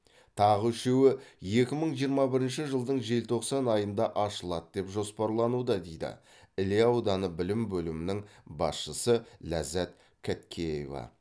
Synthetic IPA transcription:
t̪ʰɑʁəʏʃe̞wɪje̞kʲɪməɴʒijəɾmɑbɪɾɪnʃɪʒəlˠd̪əɴʒe̞lt̪ʰo̞qsɑnɑjənd̪ɑʔɑʃəlˠɑt̪̚d̪e̞pʒo̞spɑɾlˠɑnud̪ɑd̪e̞jd̪ɪ̰ | ɪleɑwd̪ɑnəbɪlɪmbɵlɪmɪnɪŋbɑsʃəsəlæzæt̪ | kʲʰæt̪kʲʰe̞jḛvɑ̰

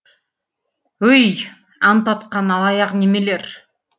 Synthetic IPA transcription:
ɵj | ɑnt̪ɑt̪qɑnɑlˠɑjɑqnemeleɾ

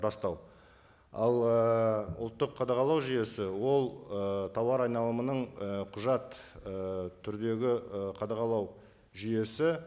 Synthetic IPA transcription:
ɾɑst̪ɑw | ɑ̰lˠəʊ̰lˠt̪ːəqʰːɑd̪ɑʁɑlˠɑwʒʏje̞sɪwo̞lˠət̪ʰɑwɑɾɑjnɑlˠəmənəɴəqʰʊʒɑt̪ət̪ʰːʏɾd̪e̞ɡʲɪəqʰɑd̪ɑʁɑlˠɑw | ʒʏje̞sɪ

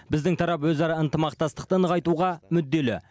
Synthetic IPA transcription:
bɪzd̪ɪŋt̪ʰɑɾɑp̬wɵzɑɾɑənt̪əmɑqt̪ɑst̪əq̚t̪ənəʁɑjt̪uʁɑmʏd̪ːe̞lɪ̰

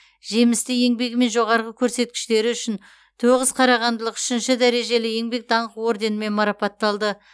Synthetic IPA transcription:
ʒe̞mɪst̪ɪje̞ŋbe̞kme̞nʒo̞ʁɑɾʁəkʲʰɵɾse̞t̪̚kʲɪ̥ʃt̪e̞ɾɪʏʃɪn | t̪ʰoʁəz̥qʰɑɾɑʁɑnd̪əlˠəqʏ̥ʃɪnʃɪd̪æɾe̞ʒe̞lɪje̞ŋbe̞k̚d̪ɑɴqəwoɾd̪e̞nɪme̞nmɑɾɑpɑt̪ːɑlˠd̪ə

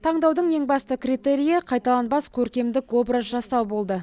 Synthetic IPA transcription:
t̪ʰɑɴd̪ɑwd̪əɴje̞ŋbɑst̪əkʲrit̪e̞ɾijɑqʰɑjt̪ɑlˠɑnbɑskʲʰɵɾkʲe̞md̪ɪkwo̞brəzʒɑst̪ɑwbo̞lˠd̪ə

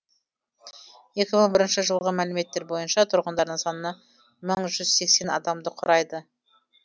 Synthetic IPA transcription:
je̞kʲɪməɴbɪɾɪnʃɪʒəlˠʁəmælɪme̞t̪ːe̞ɾbo̞jənʃɑt̪ʰʊɾʁənd̪ɑɾd̪əɴsɑnənɑ | məɴʒʏzse̞kse̞nɑ̰d̪ɑmd̪əqʰʊɾɑjd̪ə

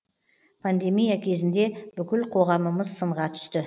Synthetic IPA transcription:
pʰand̪e̞mijakʲʰe̞zɪnd̪e̞b̥ʏkʲɪlqʰo̞ʁɑməməzsəɴʁɑt̪ʰʏ̥st̪ɪ

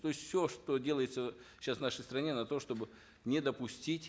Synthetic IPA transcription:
t̪o̞ɪsʲtʲfsʲoʂt̪odʲelˠəjɪt̪sə | ɕːasvnaʂəjst̪ɾɐnʲenɐt̪o̞ʂt̪o̞bɨ | nʲɪd̪əpʊsʲtʲitʲ

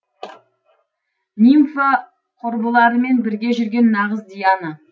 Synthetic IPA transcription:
nimfa | qʰʊɾbəlˠɑɾəme̞nbɪɾɡʲe̞ʒʏɾɡʲe̞nːɑʁəzd̪ijɑnə

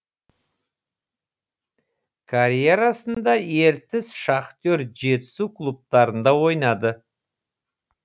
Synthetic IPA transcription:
kʰaɾje̞ɾɑsənd̪ɑje̞ɾt̪ɪsʃɑqt̪oɾʒe̞t̪ɪ̥sukʰlˠup̚t̪ɑɾənd̪ɑwo̞jnɑd̪ə

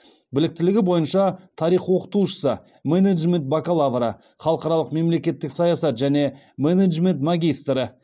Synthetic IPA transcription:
bɪlɪk̚t̪ɪlɪɡʲɪbo̞jənʃɑt̪ʰɑɾijχwo̞qə̥t̪uʃə̥sə | meneʒme̞nt̪̚bakalˠavɾə̰ | χɑlˠəqɑɾɑlˠəqme̞mle̞kʲe̞t̪ːɪksɑjɑsɑt̪ʒæne̞ | meneʒme̞nt̪maɡʲijst̪rə

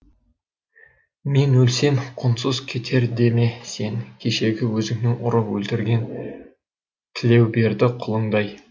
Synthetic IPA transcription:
me̞nwɵlse̞mqʰʊnsəzkʲʰe̞t̪ʰe̞ɾd̪e̞me̞se̞ŋkʲʰeʃe̞ɡʲɪwɵzɪŋnɪŋʔʊɾəpwɵlt̪ɪɾɡʲe̞n | t̪ʰɪle̞wbe̞ɾd̪ɪqʰʊlˠəŋd̪ɑj

